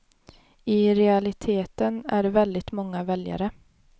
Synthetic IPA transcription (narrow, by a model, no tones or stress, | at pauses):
ɪɾɛalɪt̪ʰeːt̪ənæ̰ɖvɛld̪ɪt̪mɔŋːavɛlja̰ɾə